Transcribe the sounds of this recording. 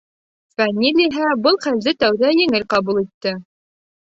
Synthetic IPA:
famʲilʲiɦæbɤlˠχæld̪ɘt̪æwðæjɘ̆ŋɘlqɑbulˠit̪ːɘ

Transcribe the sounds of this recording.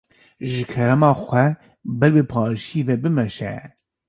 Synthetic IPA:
ʒɨkʰɛɾɛmɑːxʷɛ | bɛlbɨpʰɑːɾʃivɛbɨmɛʃɛ̰

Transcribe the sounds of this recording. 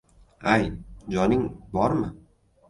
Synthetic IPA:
ajd͡ʒɒnɪŋbɒɾmɪ

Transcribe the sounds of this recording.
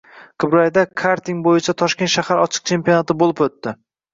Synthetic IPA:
qʰɨbɾajd̪akʰaɾt̪iŋbojɪt͡ʃʰat̪ʰɒʃkʲe̞nt̪ʃahaɾɒt͡ʃʰɨ̥q̚t͡ʃʰe̞mpijonat̪ɪbolˠɪpot̪ːɪ

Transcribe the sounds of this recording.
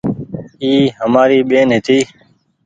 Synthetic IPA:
iːɦəmaːɾiːɓeːnɦɪt̪iː

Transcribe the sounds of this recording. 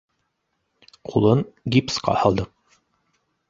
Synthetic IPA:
qʰulˠɤɴɡipsqɑ̰hɑlˠd̪ɤq̚

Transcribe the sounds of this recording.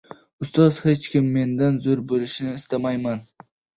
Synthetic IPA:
ʊst̪ɒz̥he̞t͡ʃkʲɪmːe̞nd̪anzoɾbolɪʃnɪːst̪amajman

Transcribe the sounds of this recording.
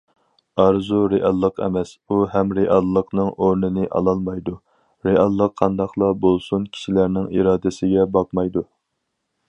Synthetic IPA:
ɑɾzuɾeʔɑlˠːəqʰɛ̰mɛsuɦɛmɾeʔɑlˠːəqnɨŋoɾnɨnɨʔɑ̰lˠɑlˠmɑjd̪u | ɾeɑlˠːəqʰːɑnd̪ɑχlˠɑbolˠsunkʲʰi̥ʃilæɾnɪŋiɾɑːd̪ɪsɪɡʲɛbɑq̚mɑjd̪u

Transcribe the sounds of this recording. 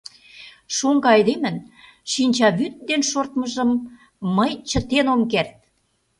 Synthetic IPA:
ʃoŋɡɑɑjd̪emə̆n | ʃinʲt͡ɕɑβyt̪̚d̪enʃort̪məʒəmː | əjt͡ɕə̆t̪enomkert̪̚

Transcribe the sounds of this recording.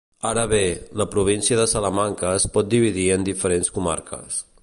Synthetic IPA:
aɾəβeləpɾuβ̞insiəðəsələmaŋkəːspɔt̪̚d̪iβ̞iðiənd̪ifəɾenskuma̰ɾkʰə̰s

